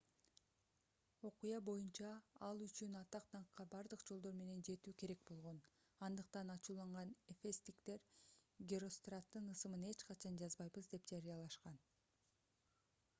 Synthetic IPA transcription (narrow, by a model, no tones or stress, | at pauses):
o̞qujɑbo̞junt͡ʃɑɑlˠyt͡ʃynɑt̪ɑqt̪ʰɑɴqːɑbɑɾd̪ɯqd͡ʒo̞lˠd̪o̞ɾme̞ne̞nd͡ʒe̞t̪yːke̞ɾe̞k̚bo̞lˠʁo̞n | ɑnd̪ɯqt̪ɑnɑt͡ʃuːlˠɑɴʁɑnefest̪ikt̪e̞ɾɡʲeɾo̞st̪rat̪ːɯnɯsɯmɯne̞t͡ʃqɑt͡ʃʰɑnd͡ʒɑzbɑjbɯzd̪e̞p̚t̪aɾijɑlˠɑʃqɑn